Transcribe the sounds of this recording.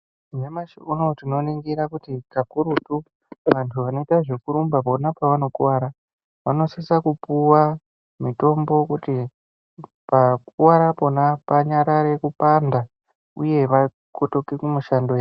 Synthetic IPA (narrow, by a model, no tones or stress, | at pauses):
memaʃuno̞tino̞niŋɡiɾakutikakuɾutu | ʋantʰuʋano̞itaʐekuɾumbapo̞napaʋano̞kuwaɾa | ʋano̞sisakupuwa | mito̞mbo̞kuti | pak̚uwaɾapo̞napaɲaɾaɾe̞kupanda | ṵje̞ʋa | koto̞kekumuʃandoja